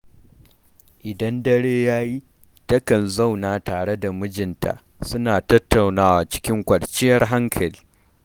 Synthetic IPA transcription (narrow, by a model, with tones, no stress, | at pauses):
ʔɪ˨dɐ˦ndɐ˦ɽeː˦jaː˦ji˦ | tɐ˦kɐ˨nza˦wnaː˨taː˨ɽe˦da˨mʊ˦d͡ʒɪ˨ntʰa̰˨ʔ | sʊ˦naː˨tɐ˦tːa˨wnaː˦waː˨t͡ʃɪ̥˦kʲɪ˦ŋkʷɐ˨ɽt͡ʃɪ˦jɐ˦rɦa˦ŋkʰɐ˨l